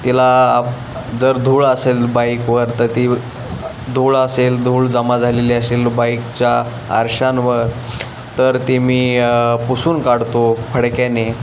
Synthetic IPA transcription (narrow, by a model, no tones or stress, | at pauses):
t̪ila | d͡zəɾd̪ʱuːɭəselbajkʋəɾt̪əɾt̪i | d̪ʱuɭəseld̪ʱuːɭd͡zəmad͡zʱaleliəselbajkt͡ɕja | ə̰ɾɕanʋəɾ | t̪əɾt̪imiːpusuːnkaɽt̪ofʰəɽkane